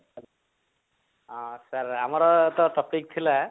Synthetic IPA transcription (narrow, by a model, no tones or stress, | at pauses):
ãsaɾamaɾɔt̪ɔtɔpik̚t̪ʰila